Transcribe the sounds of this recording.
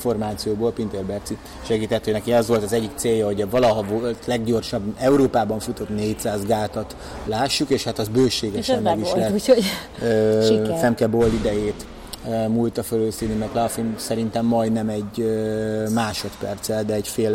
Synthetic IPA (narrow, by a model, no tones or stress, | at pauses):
fo̞rmaːt̪sijoːboːlpint̪erbɛrt̪si | ʃɛɡiːt̪ʰɛt̪ːønɛkiɛzʋo̞lt̪ɒzɛɟːik̚t̪seːjɒɦo̞ɟɛvɒlɒɦɒvolt̪lɛɡɟo̞rʃɒbːɛuɾoːpaːbɒɱfut̪o̞t̪neːc̚saːzɡaːt̪ɒt̪ | laːʃːukeːʃhat̪ɒzbøːʃeːɡɛʃɛmːɛɡiʃlɛoøfɛmkɛbolːid̪ɛjeːt̪ | ømult̪ɒføløːsinːimɛklɛɒfimsɛɾint̪ɛmːɒjd̪nɛmɛɟømaːʃot̪pɛrt̪sɛld̪ɛɛcfeːl